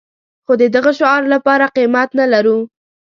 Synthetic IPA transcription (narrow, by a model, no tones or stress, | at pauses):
xod̪əd̪aɣaʃʊɑɾlapɑɾaqimat̪nalaɾu